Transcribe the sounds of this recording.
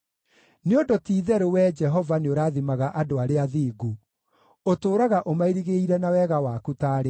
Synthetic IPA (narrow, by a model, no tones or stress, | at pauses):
neodotiːðɛɾowɛd͡ʒɛɦɔvaneoɾaːðimaɣaʔadoaɾeaðiːɡu | otoːɾaɣaʔomaiɾiɣeiɾɛnawɛɣawaːkutaːɾe